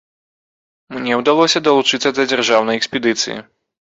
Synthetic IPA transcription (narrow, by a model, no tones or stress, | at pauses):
mnʲɛwd̪alˠɔsʲɐd̪ɐlˠut͡ʂɨt̪sɐd̪ɐd͡zʲarʐawnɐjɛksʲpʲɛd̪ɨt̪sɨ̰jḭ